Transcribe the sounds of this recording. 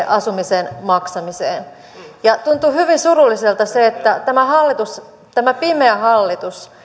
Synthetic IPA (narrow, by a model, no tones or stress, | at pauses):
ʔɑsumisenmɑksɑmiseːn | jɑt̪unt̪uhyʋinsurulːˑiselt̪ɑseet̪ːæt̪æmæhɑlːit̪us | t̪æmæpimeæhɑlːit̪us